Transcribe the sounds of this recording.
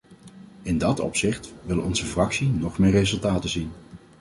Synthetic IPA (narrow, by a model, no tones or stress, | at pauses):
ɪndɑtɔ̰psɪχtʋɪləɔnzəfrɑksinɔχmɪːrezɵlˠtaːtəzin